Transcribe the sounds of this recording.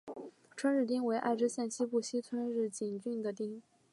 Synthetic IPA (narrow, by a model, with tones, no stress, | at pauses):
ʈ͡ʂʰwə˥nɻ̩˥˩t̪i˥ŋwe˧˥ɪʔa̰˥˩ɪʈ͡ʂ̩˥ɕjɛ˥˩nt͡ɕʰi˥pu˥˩ɕi˥t͡sʰwə˥nɻɻ̩˥˩t͡ɕi˨˩ŋt͡ɕy˥˩ŋd̪ə˩t̪i˥ŋ